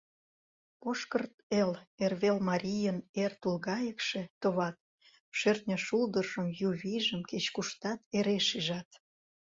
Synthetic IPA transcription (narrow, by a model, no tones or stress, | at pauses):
poʃkərt̪elerβelmɑɾʲijənert̪ulɣɑjəkʃet̪oβɑt̪̚ | ʃørt̪nʲəʃuld̪əʒəmjuβʲijʒəmket͡ɕkuʃt̪ɑt̪eɾeʃiʒɑt̪